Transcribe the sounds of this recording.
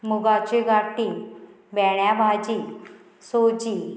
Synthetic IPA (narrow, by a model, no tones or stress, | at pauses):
muɡat͡ɕeɡaʈi | bɛɽjabʱad͡ʑi | sod͡ʑi